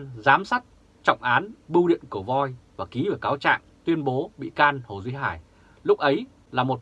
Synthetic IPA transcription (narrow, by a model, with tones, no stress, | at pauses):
nzaː˨˦msa˦˥k̚ | t͡ɕɔ̰˧˨wŋ͡mʔaː˨˦nɓu˧wɗḭ˧˨ənkɨ˧˩əvɔ˧jvaː˨˩ki˨˦vəː˧˩kaː˨˦wt͡ɕa̰ː˧˨ŋt̪wi˧ənɓo˨˦ɓḭ˧˨kaː˧nho˨˩zwi˧˦ɦaː˧˩j | lʊ˦˥k̚ʔə˨˦j | laː˨˩mo˨˩t̚